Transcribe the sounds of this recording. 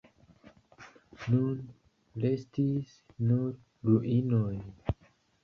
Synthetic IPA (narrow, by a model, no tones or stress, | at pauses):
nun | lestis | nuɾ | ɾuʔinoj